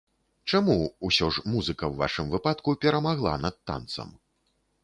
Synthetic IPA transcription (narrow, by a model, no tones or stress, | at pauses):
t͡ʂamuusʲɔʐmuzɨkɐwːva̰ʂɨmvɨpat̪kupʲɛɾɐmaɣlˠa̰nɐt̪ːa̰nt̪sɐ̰m